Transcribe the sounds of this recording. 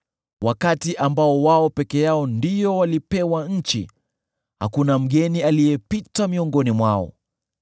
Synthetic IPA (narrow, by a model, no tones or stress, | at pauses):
wakatiʔambaɔwaɔpɛkɛjaɔndijɔwalipɛwaɲ̩t͡ʃḭ | ha̰kunam̩ɠɛnialijɛpitamiɔŋɡɔnimwaɔ̰